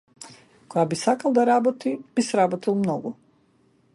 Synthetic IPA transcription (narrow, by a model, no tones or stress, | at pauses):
kojabisakalˠd̪aɾabot̪ibisɾabot̪ilˠmnɔɡu